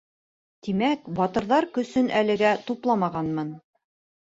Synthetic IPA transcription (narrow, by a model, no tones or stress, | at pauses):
t̪imækbɑt̪ɤ̆ɾðɑɾkɵ̆sɵnʔælɘ̆ɡæt̪uplˠɑmɑʁɑnmɤn